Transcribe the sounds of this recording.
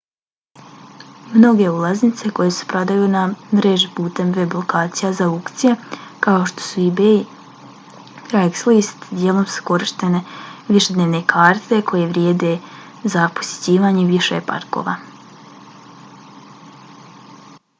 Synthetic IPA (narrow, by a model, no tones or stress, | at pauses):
mno̞ɡe̞ulˠaznit̪seko̞je̞se̥pɾod̪ajunamɾeʒpuːt̪e̞mʋe̞blˠo̞kaːt̪sijazaukt̪sijekao̞ʃt̪o̞̥suibei | ɾajɡslist̪d̪jeːlˠo̞msu̥ko̞ɾiʃt̪e̞ne̞ʋiʃe̞d̪neʋne̞kʰaːɾt̪e̞kʰo̞je̞ʋɾjeːd̪e | zapo̥sʲje̥t͡ɕiːʋaːɲeʋiʃḛpa̰ɾko̞̰ːʋa̰